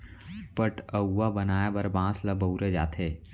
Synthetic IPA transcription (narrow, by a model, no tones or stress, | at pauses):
pəʈəwːabənaːjabəɾbãːsləbəuɾed͡ʒa̰ːt̪ʰeː